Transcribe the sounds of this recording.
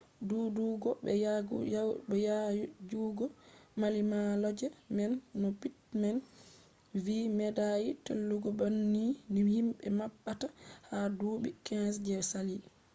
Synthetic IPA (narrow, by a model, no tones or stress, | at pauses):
duːduɡɔbɛa | ɛjajd͡ʒuːɡɔmalimalɔd͡ʒɛmɛnːɔpitmɛn | viːmɛdajitelːuɡɔbanːinihimɓɛmaɓːatahaduːɓikɛsd͡ʒɛɾsali